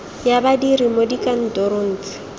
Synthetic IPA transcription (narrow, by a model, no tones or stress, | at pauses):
jabadiɾimodikʼan̩tɔɾon̩ːt͡sʼɪ̥